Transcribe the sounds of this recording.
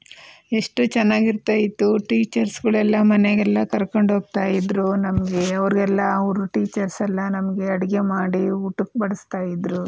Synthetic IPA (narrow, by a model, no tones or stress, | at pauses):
e̞ʂʈut͡ʃɛnːaːɡiɾt̪aːjit̪ːuʈiːt͡ʃɐɾsɡɐɭɛlːɐmɐneɡɛlːɐkɐɾkoɳɖɦoːɡ̚t̪aːjid̪ɾunɐmɐɡe̞ɐʋɐɾɡɛlːɐɐʋɾuʈiːt͡ʃɐɾsɛlːɐnɐmɐɡe̞ɐɽɐɡemaːɽiuʈuk̚bɐɽust̪aːjid̪ɾu